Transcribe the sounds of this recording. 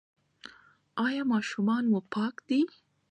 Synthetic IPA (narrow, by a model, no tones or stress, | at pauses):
ɑjɑmɑʃumɑnwopɑkd̪i